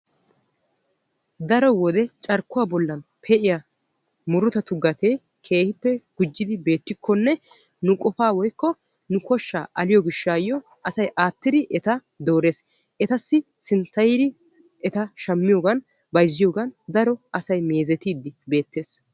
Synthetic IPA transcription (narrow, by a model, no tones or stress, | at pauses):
d̪ɐɾɔwɔd̪ɛt͡ʃʼɐɾkːʊwaːbɔlːɐn | pʰɛʔɪja | mʊɾʊt̪ɐt̪ʊɡɐt̪e | kʰe̞ːhɪpːɛɡ̥ʊd͡ʒːɪd̪ɪbe̞ːt̪ːɪkʰːɔnːɛ | nʊkʼɔfaːwɔjkːɔ | nʊkɔʃːa̰ːʔɐlɪjɔɡɪʃːaːjːɔ | ʔɐsɐjʔaːt̪ːɪd̪ɪʔɛt̪ɐ | d̪o̞ːɾe̞ːs | ʔɛt̪ɐsːɪ | sɪnt͡sːɐjɪd̪ɪ | ɛt̪ɐʃɐmːɪjoːɡɐn | bɐjzːɪjoːɡɐnd̪ɐɾɔɐsɐjme̞ːzɛt̪iːd̪ːɪbe̞ːt̪ːe̞ːs